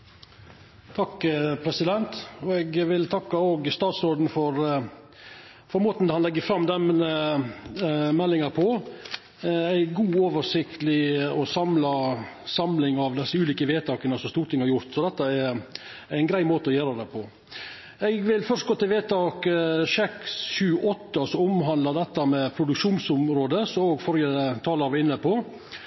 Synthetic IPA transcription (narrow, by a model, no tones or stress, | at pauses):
t̪ʰɑkːpʰɾɛsɪd̪ɛnt̪ɔɛɡʋɪlt̪ʰɑkːɑoːɡst̪ɑːt̪sɾoːd̪n̩fɔɾ | fɔɾmoːt̪n̩d̪ɛhɑnlɛɡːəfɾɑmd̪ɛmə | mɛlːɪŋɑɾpʰɔ | æɪɡuːoːʋəʂɪkt̪əlɪɔsɑmlɑ | sɑmlɪŋɑʋd̪ɛsːəʉːliːkəʋeːt̪ʰɑːkənəsɔmst̪uːɾʈ̪ʰɪŋhɑɾjʊɾt̪sɔd̪ɛt̪ːəɛɾ | æɪnɡɾæɪmoːt̪əɔjøːɾɑd̪ɛpʰɔ | ɛɡʋɪlfœʂst̪ɡoːt̪ɪlʋeːt̪ɑːkʃɛksɕʉːʔɔt̪ːəɑsɔʊmɦɑnd̪lɑd̪ɛt̪ːɑmɛpʰɾʊd̪ʉkʂuːnsʊmɾoːd̪əsɔoːɡfɔɾjədt̪ʰɑːlɑɾʋɛɪnːəpʰɔ